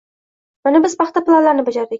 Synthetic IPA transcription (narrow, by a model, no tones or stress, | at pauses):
manabɪzpɑχt̪aplˠanlaɾnɪbad͡ʒaɾd̪ɪk̚ʲ